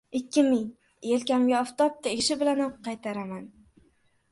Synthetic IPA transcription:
ɪkʲːɪmɪŋ | elkʲamɡʲaɒft̪ɒp̚t̪ʰaeʃɪbɪlanqʰːɑjt̪ʰaɾaman

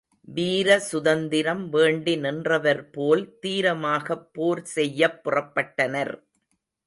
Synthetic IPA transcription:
ʋiːɾɐsʊðɐnd̪ɪɾɐmʋeːɳɖɪnɪndrɐʋɐɾpoːlt̪iːɾɐmaːɣɐpːoːɾsɛjːɐpːʊrɐpːɐʈːɐnɐɾ

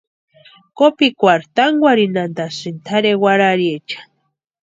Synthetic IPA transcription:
kopikʷaɾt̪aŋɡwaɾinand̪asɨnt̪ʰaɾewaɾaɾjet͡ʃḁ

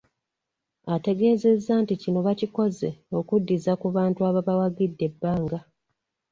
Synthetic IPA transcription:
ate̞ɡe̞ːze̞zːaːnticino̞βaciko̞ze̞o̞kudːizakuβaːntuaβaβawaɡidːe̞bːaːŋɡa

